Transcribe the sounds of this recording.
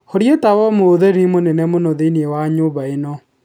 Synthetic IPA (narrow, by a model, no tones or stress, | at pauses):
hoɾjetawɔmoðɛɾimonɛnɛmonoðeniewaɲoːβaenɔ